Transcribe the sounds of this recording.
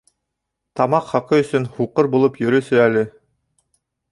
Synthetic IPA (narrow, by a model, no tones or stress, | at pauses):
t̪ɑmɑqχɑqɤɵ̆sɵnhuqɤɾbulˠɤpjɵ̆ɾɵ̆sɘælɘ